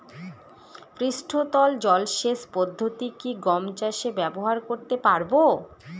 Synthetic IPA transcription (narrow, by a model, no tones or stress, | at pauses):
fɾiʃʈʰot̪ɔld͡ʑɔlʃeʃpɔd̪ʱːot̪ikiɡɔmt͡ɕaʃebɛboɦaɾkoɾt̪epaɾbo